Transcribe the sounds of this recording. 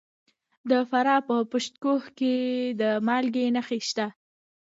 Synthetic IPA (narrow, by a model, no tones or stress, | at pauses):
d̪əfaɾɑpəpʊʃt̪kohked̪əmɑlɡenaxeʃt̪a